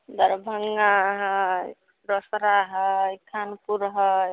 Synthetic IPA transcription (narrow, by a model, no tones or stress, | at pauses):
d̪ʌɾbʱəŋɡaɦʌ | ɾɔsɾaɦʌjkʰanpuɾɦʌj